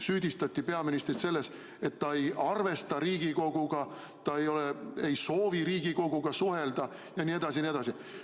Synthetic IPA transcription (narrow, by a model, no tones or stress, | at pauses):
syːd̪̥ist̪ɑt̪ʲːipe̞ɑminist̪rit̪se̞lːe̞s | e̞t̪ːɑe̞jɑrve̞st̪ɑɾiːɡ̥iko̞ɡ̥uɡ̥ɑ | t̪ɑe̞jo̞lee̞jso̞ːviɾiːɡ̥iko̞ɡ̥uɡ̥ɑsuɦe̞ld̪̥ɑ | jɑnʲie̞d̪̥ɑs̬ʲinie̞d̪ɑsi